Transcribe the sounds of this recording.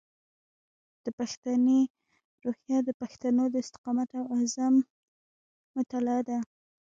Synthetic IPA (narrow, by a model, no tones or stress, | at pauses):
d̪̥əpaxt̪ane | ɾohjɑd̪əpaxt̪anod̪əɪst̪ɪ̥qɑmat̪awazam | ʊt̪alɑd̪a